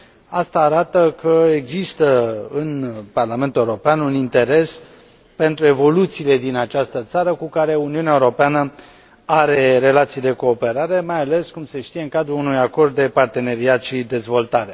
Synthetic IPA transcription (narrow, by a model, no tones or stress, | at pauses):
ast̪aːɾat̪əkəeɡzist̪əɨnparlament̪ule̞wuɾopeanunint̪e̞ɾe̞s | pe̞nt̪ɾue̞vo̞lut̪siːle̞d̪inat͡ʃast̪ət̪saɾəkukaɾe̞uniuneaeuɾo̞peanə | aɾe̞ɾe̞lat̪sijd̪e̞ko̞ːpe̞ɾaɾe̞majale̞skumse̞ʃt̪ije̞ɨŋkad̪ɾuunujako̞rd̪̚ːe̞part̪e̞ne̞ɾiat̪ʃid̪e̞zvo̞lt̪aɾe̞